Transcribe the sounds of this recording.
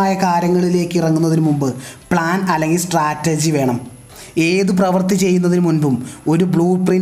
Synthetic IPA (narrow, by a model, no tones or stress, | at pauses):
aːjɐkaːɾjɐŋːɐɭile̞ːkːirɐŋːunːɐðinɨmumbɨpɭaːnɐlːe̞ŋɡilsʈraːtːɐd͡ʑiʋe̞ːɳɐm | e̞ːðup̬rɐʋɐrt̪it͡ɕe̞jːunːɐðinɨmunbumo̞ɾubɭuːprin